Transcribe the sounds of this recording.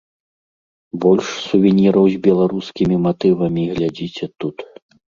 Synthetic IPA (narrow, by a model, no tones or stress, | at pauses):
bɔlʲʂsuvʲɛnʲiɾɐwzʲbʲɛlˠaɾuskʲimʲimat̪ɨvɐmʲiɣlʲad͡zʲit͡sʲɛt̪ut̪